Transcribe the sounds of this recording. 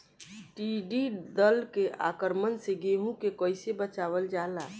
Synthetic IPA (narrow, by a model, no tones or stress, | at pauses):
ʈiɖid̪əlkeʔa̰ːkəɾmənseɡeɦũkekəːɪsebət͡ʃaːwəld͡ʒaːlaː